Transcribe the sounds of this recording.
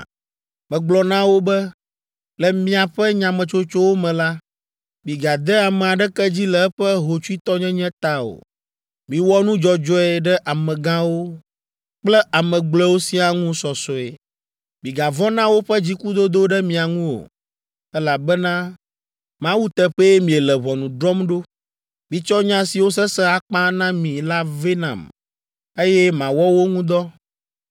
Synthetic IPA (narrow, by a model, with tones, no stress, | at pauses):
mɛ̃˨ɡ͡blɔ˨nã˦wo˦bɛ˦ | lɛ˨mĩ˦a˨ɸɛ˦ɲã˨mɛ̃˨t͡ʃo˦t͡ʃo˦wo˦mɛ̃˨la˦ | bĩ˨ɡa˨d̪ɛ˦a˨mɛ̃˨a˨ɖɛ˦kɛ˦d͡ʑi˦lɛ˨ɛ˦ɸɛ˦ɦo˨t͡ʃu˦i˦t̪ɔ˦ɲɛ̃˦ɲɛ̃˦t̪a˦o̰˨ | mĩ˨wɔ˦nũ˦d͡ʒɔ˨d͡ʒɔ˦ɛ˦˨ɖɛ˦ʔa˨mɛ̃˨ɡã˦wo˦ | k͡plɛ˦ʔa˨mɛ̃˨ɡ͡blɛ˦wo˦si˦a˨ŋũ˦sɔ˨sɔ˨ɛ˨ | mĩ˨ɡa˨vɔ˦nã˦wo˦ɸɛ˦d͡ʑi˦ku˦d̪o˦d̪o˦ɖɛ˦mĩ˨a˨ŋũ˦wo̰˨ | ɛ˦la˨bɛ˦nã˦ | mã˦wu˦t̪ɛ˦ɸɛ˦ɛ˦mĩ˨ɛ˨lɛ˨βɔ˨nũ˨ɖɾɔ˦mɖo˦ | mĩ˨t͡ʃɔ˦ɲã˦si˨wo˦s̬ɛ˦sɛ˦a˨k͡pã˦nã˦mĩ˨la˦ve˦nã̰˨m | e˦jɛ˦mã˨wɔ˦wo˦ŋũ˦d̪ɔ˦